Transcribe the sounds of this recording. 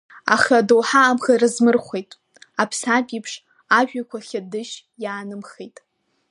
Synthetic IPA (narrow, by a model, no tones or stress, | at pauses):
a̰χʲadowħaːmχarɨzmɨrχʷejtʼ | apʰsapʼipʰʂ | aʒᶣakʷʰaχʲadɨʃ | jaːnɨmχejtʼ